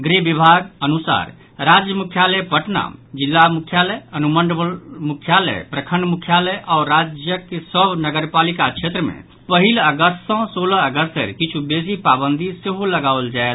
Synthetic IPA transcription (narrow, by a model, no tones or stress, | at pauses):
ɡɾebibʱaɡənusa̰ɾ | ɾad͡ʒjəmukʰjaləjpəʈna̰d͡ʒilːamukʰjalɛjənumənɖəlmukʰjalɛ̰jpɾəkʰəɳɖmukʰjalɛjʔaɔɾːad͡ʒjəkːesəbnəɡəɾpalikakʃʰet̪ɾəmḛ̃ | pəɦiləɡəst̪sɔ̃soləəɡəst̪ə̰ɾkit͡ʃʰubesipabənd̪ʱiseɦoləɡaold͡ʒaet̪